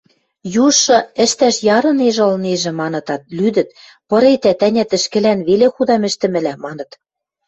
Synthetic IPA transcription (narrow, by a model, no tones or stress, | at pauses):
juʃːɤ̆ɘ̆ʃt̪æʃjɑɾɤ̆neʒ̆ɤ̆lneʒɘ̆mɑnɤ̆t̪ɑt̪̚lyd̪ɘ̆t̪̚ | pɤ̆ɾet̪æt̪ænʲæt̪ɘ̆ʃkɘ̆lænβelexud̪ɑmɘ̆ʃt̪ɘ̆mɘ̆læmɑnɤ̆t̪